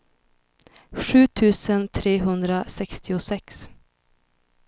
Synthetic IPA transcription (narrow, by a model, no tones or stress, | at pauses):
ɧʉ̟ːt̪ʰʉ̟ːsənt̪ʰɾeːɦɵnd̪ɾasɛkst̪ɪʊsɛks